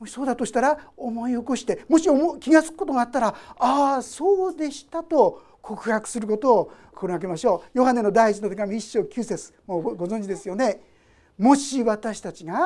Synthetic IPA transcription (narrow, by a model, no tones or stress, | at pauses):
moɕi̥so̞ːd̪at̪o̞ɕi̥t̪aɾaomo̞iokoɕi̥t̪e̞mo̞ɕiomokʲiɡat͡sɨ̥kɯ̥ko̞t̪o̞ɡaːt̪ːaɾaaso̞ːd̪e̞ɕi̥t̪at̪o̞ | kʰo̞kɯ̟hakɯ̟̥sɨɾɯ̟ko̞t̪o̞ː | kʰoɾoak̬e̞maɕo̞ːjo̞ɦane̞no̞d̪ait͡ɕinot̪ekamʲiiɕːo̞ːkʲɨːse̞t͡sɨ̥moːɡo̞zõɲd͡ʑid̪e̞sɨjo̞ne̞ | mo̞ɕiβat̪aɕi̥t̪at͡ɕiɡa